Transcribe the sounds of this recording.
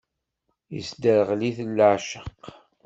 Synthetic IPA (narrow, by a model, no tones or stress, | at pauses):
jə̰sd̪əɾʁliθəlːəʕʃəq